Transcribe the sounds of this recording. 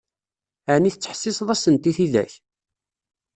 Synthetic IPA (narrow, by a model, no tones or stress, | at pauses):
əʕniθt͡sːə̥ħsɪsðˤæsənt̪iθiðæ̰ç